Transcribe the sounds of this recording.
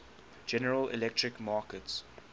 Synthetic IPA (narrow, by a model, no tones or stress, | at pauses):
d͡ʒɛnəɹəlɪ̰lɛk̚tɹɪkmɑːkəts